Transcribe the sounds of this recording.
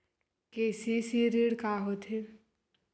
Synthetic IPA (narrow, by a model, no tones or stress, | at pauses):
keːsisiɾiɽkaɦot̪ʰi